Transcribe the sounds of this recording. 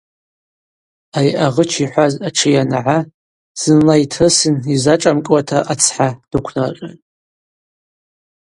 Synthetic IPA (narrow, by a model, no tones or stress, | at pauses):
ajʔaʁət͡ʃʰiħʷazaʈ͡ʂʰɨjanʕa | z̥ɨnlajtʰɨsɨnizaʈ͡ʂʼamkʼwatʰaʔat͡sʰħad̥ɨkʷʰnarʼa